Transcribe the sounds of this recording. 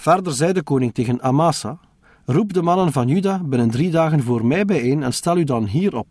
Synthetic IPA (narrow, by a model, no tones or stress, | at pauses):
v̥ɛrdərzɛjdəkoːnɪŋteːɣənamaːsa | rupdəmɑnənvɑnjydaːbɪnəndridaːɣənvoːrmɛjbɛjeːnɛnstɛlˠydɑnɦiːɾɔp̚